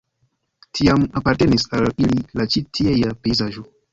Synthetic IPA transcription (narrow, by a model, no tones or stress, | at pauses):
tʰiamapaɾtenisalililat͡ʃitʰiejapeizaʒo